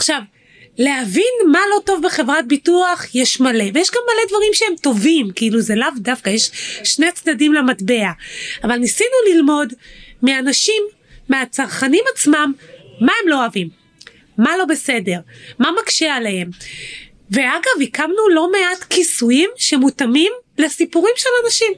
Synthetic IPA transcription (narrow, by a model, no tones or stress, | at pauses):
aχʃav | leavinmalo̞to̞vbe̞χevʁat̚bituaχjeʃmale̞vejeʃɡamːale̞dvaʁimʃehemto̞vimkiiluzelavdafkajeʃʃnet͡sdadimlematbe̞aavalnisinulilmo̞dmeanaʃimː | eat͡saʁχanimat͡smamːaemlo̞avimː | alo̞be̞se̞de̞ʁmamakʃealehem | veaɡavikamnulo̞me̞atkisujimʃemutamimlesipuʁimʃe̞lanaʃim